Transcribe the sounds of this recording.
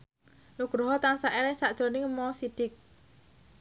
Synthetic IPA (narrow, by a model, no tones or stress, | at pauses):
nuɡ̥ɾɦɔt̪aŋsaʔeɾɛsaʔd̥ʒ̥ɾo̤nɪŋmɔsid̥ɪk̚